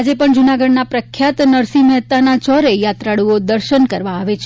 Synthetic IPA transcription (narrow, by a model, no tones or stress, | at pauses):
ad͡ʒepəɳd͡ʒunaɡəɽnapɾəkʰːjat̪nəɾsimɛɦt̪anat͡ʃɔɾejat̪ɾaɽuod̪əɾʃənkəɾʋaːʋet͡ʃʰ